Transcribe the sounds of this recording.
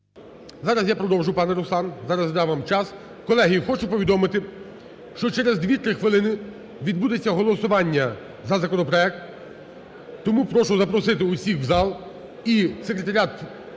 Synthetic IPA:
zɑɾɐsjapɾɔd̪ɔwʒʊpɑnɛɾʊsˠɑnzɑɾɐsd̪ɑʋɑmt͡ʃɑs | kɔlˠɛɦijixɔt͡ʃʊpɔʋʲid̪ɔmɪt̪ɪ | ʃt͡ʃɔt͡ʃɛɾezd̪ʋʲit̪ɾɪxʋɪlˠɪnɪ | ʋʲid̪̚bud̪et͡sʲːɐɦɔlˠɔsʊʋɑnʲːɐ | zɐzɐkɔnɔpɾɔɛk̚t̪ | ɔmupɾɔʃʊzɐpɾɔsɪt̪ɪʊsʲixzɑlˠ | isekɾet̪ɐɾʲat̪

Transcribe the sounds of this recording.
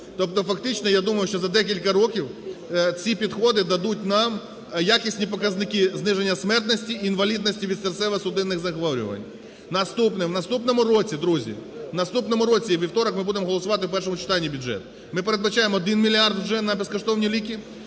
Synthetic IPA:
t̪ɔp̚t̪ɔfɐkt̪ɪt͡ʃnɔjad̪umɐjʊʃt͡ʃɔzɐd̪ɛkʲilʲkɐɾɔkʲiwt͡sʲipʲid̪xɔd̪ɪd̪ɐd̪ut̚ʲnɑm | jakʲisʲnʲipɔkɐznɪkɪznɪʒenʲːɐsmɛrt̪nɔsʲtʲiːnʋɐlʲid̪̚nɔsʲtʲiʋʲid̪sert̪sɛʋɐsʊd̪ɪnːɪɣzɐxʋɔɾʲʊ̰ʋɐ̰nʲ | nɐst̪upnɛwnɐst̪upnɔmʊɾɔt͡sʲid̪ɾuzʲḭnɐst̪upnɔmʊɾɔt͡sʲiʋʲiwt̪ɔɾɐkmɪbud̪emɔɦɔlˠɔsʊʋɑt̪ɪwpɛrʃ̬ɔmʊt͡ʃɪ̥t̪ɑnʲːibʲʊdd͡ʒɛ̰t̪ | mɪpeɾed̪bɐt͡ʃajemɔɔd̪ɪnmʲilʲiard̪ʒɛnɐbeskɔʃt̪ɔwnʲilʲikʲi

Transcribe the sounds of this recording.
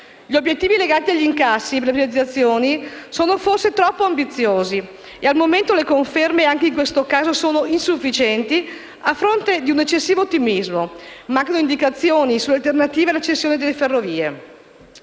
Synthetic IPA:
ʎiobjet̪ːiːvileɡaːt̪iaʎːiŋkasːiepeɾlepɾivat̪iat̪sːjoːnisoːnoforset̪ɾɔpːoambit̪sːjoːzi | ealmoment̪olekoɱfermeaŋkeiŋkwest̪okaːzosoːnoinsufːit͡ʃɛnt̪i | afːɾont̪ed̪iunet͡ʃːesːiːvot̪ːimizmomaŋkanoind̪ikat̪sːjoːnisulːealt̪ernat̪iːvealːat͡ʃest̪ːjoːned̪elːeferːoviːḛ

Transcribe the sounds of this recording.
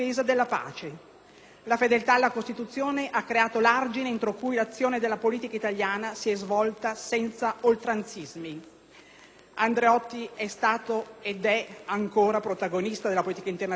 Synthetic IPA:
eːzad̪elːapa̰ːt͡ʃe | lafed̪elt̪alːakost̪it̪ut̪sːjoːneʔakːɾeaːt̪olard͡ʒineent̪ɾokujlat̪sːjoːned̪elːapoliːt̪ikait̪aljaːnasiɛzvɔlt̪asɛnt̪saolt̪ɾant̪sizmi | and̪ɾeɔt̪ːiɛst̪aːt̪oed̪ɛaŋkoːɾapɾot̪aɡonist̪ad̪elːapoliːt̪ikaint̪erna

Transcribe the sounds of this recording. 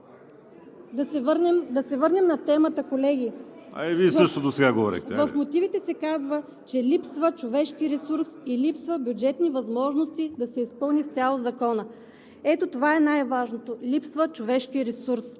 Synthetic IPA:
d̪ɐɛɾnɛmd̪ɐsɛvɤɾnɛmnɐt̪ɛmət̪əkolɛɡiɐ̰ɛvisɤʃt̪od̪osɛɡaɡovɔɾɛ̰xt̪ɛvəfmot̪ivit̪ɛsɛkazvə | t͡ʃɛlipsvət͡ʃovɛʃkiɾɛsuɾsilipsvəbʲjud͡ʒɛt̪nivɐzmɔʒnost̪id̪ɐsɛispɤlˠnift̪ʲalˠozɐkɔnə | ɛt̪ot̪ovaɛnajvaʒnot̪olʲipsvət͡ʃovɛʃkiɾɛsuɾs

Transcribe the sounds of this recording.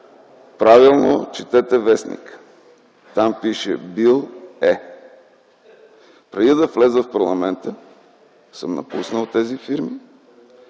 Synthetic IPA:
pɾavilˠno̰t͡ʃit̪ɛt̪ɛvɛsnḭk | t̪ampiʃɛ̰bilˠɛ | pɾɛd̪id̪ɐflɛzəfpɐɾlˠɐmɛnt̪ə | sɤmnɐ̰pusnəlˠt̪ɛzifiɾmi

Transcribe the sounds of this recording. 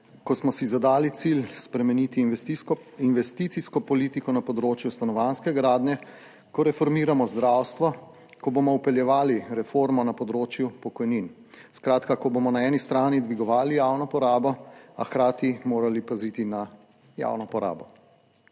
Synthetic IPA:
kɔsmɔsizad̪aːlit̪silspɾɛmɛnit̪i | inʋɛst̪it̪siskɔpɔliːt̪ikɔnapɔd̪ɾoːt͡ʃjust̪anɔʋanskɛɡɾaːd̪nɛ | kɔɾɛfɔɾmiːɾamɔzd̪ɾaːwst̪ʋɔ | kɔbomɔupɛljɛʋaːliɾɛfoːɾmɔnapɔd̪ɾoːt͡ʃjupɔkɔjnin | skɾaːt̪kakɔbomɔnaɛːnist̪ɾaːnid̪ʋiɡɔʋaːlijawnɔpɔɾaːbɔaxkɾaːt̪imoːɾalipazit̪ina | ja̰wnɔpɔɾa̰ːbɔ

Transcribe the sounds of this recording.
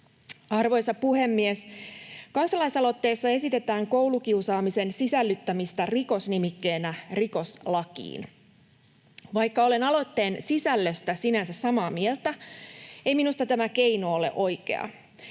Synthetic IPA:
ɑrʋo̞jsɑpuhe̞mːieskɑnsɑlɑjsɑlo̞t̪ːe̞ːsːɑe̞sit̪e̞t̪æːŋkowlukiusɑːmise̞nsisælːyt̪ːæmist̪æriko̞snimikːe̞ːnæriko̞slɑkḭːn | ʋɑjkːɑole̞nɑlo̞t̪ːe̞ːnsisælːøst̪æsinænsæssɑmɑːmielt̪æ | e̞jminust̪ɑt̪æmækejnoole̞̰ʔo̞jke̞̰ɑ̰

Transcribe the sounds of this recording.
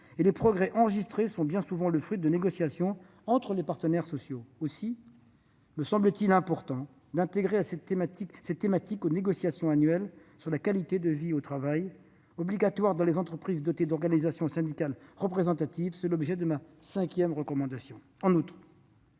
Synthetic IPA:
elepχɔɡʁɛʔɑ̃ʁəʒist̪χesɔ̃bjɛ̃suvɑ̃ləfχid̪əneɡɔsjasjɔ̃ | ɑ̃t̪χəlepaʁt̪ənɛʁsɔsjoosi | məsɑ̃blət̪ilɛ̃pɔʁt̪ɑ̃ | d̪ɛ̃t̪eɡʁeasɛt̪emat̪iksɛt̪ːemat̪ikoneɡɔsjasjɔ̃anɥɛlsyʁlakalit̪ed̪əviot̪χavaj | ɔbliɡat̪waʁd̪ɑ̃lezɑ̃t̪χəpχizd̪ɔt̪ed̪ɔʁɡanizasjɔ̃sɛ̃d̪ikalʁəpχezɑ̃t̪at̪ivsɛlɔbʒɛd̪əmasɛ̃kʲjɛmʁəkɔmɑ̃d̪asjɔ̃ | ɑ̃nut̪χ

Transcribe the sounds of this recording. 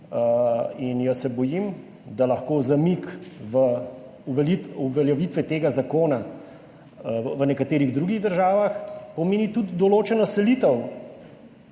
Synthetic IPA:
əinjɐsɛbɔjim | d̪alɐxkoːzamikʋə | uʋɛlit̪uʋɛljɛʋit̪ʋɛt̪eːɡazakoːna | ʋənɛkat̪eːɾiɣd̪ɾuɡiɣd̪əɾʒaːʋaxpɔmeːnit̪ud̪ːɔloːt͡ʃɛnɔsɛlit̪əw

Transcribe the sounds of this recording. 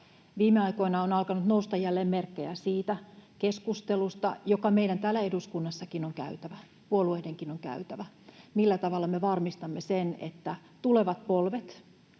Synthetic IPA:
ʋiːmeɑiko̞inɑonɑlkɑnut̪noust̪ɑjælːeːmmerkːejæsiːt̪ækeskust̪elust̪ɑ̰jokɑmeidænt̪æːlːæeduskunːɑsːɑkinoŋkæ̰yt̪æʋæ | puolueːdeŋkinoŋkæ̰yt̪æʋæ | milːæt̪ɑʋɑlːɑmeʋɑrmist̪ɑmːesenḛt̪ːæ | t̪uleʋɑt̪̚polʋet̪

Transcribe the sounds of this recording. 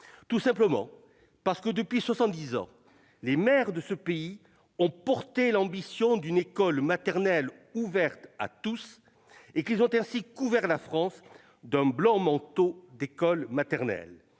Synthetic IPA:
t̪usɛ̃pləmɑ̰̃ | paʁsə̥kəd̪əpɥiswasɑ̃t̪̚d̪izɑ̰̃ | lemɛʁd̪əsəpei | ɔ̃pɔʁt̪elɑ̃bisjɔ̃d̪ynekɔlmat̪ɛʁnɛluvɛʁt̪a̰t̪us | ekilzɔ̃t̪ɛ̃sikuvɛʁlafχɑ̃s | d̪ɛ̃blɑ̃mɑ̃t̪od̪ekɔlmat̪ɛʁnɛ̰l

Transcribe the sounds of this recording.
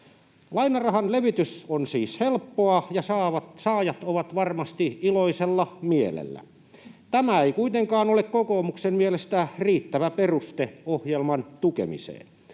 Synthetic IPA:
lɑinɑrɑhɑnleʋit̪ysonsiːshelpːoɑjɑsɑːʋɑtsɑːjɑt̪oʋɑt̪ʋɑrmɑst̪iiloiselːɑmielḛlːæ̰ | t̪æmæeikuit̪eŋkɑːnolekkokoːmuksemmielest̪æriːt̪ːæʋæperust̪eohjelmɑnt̪ukḛmḭsḛːn

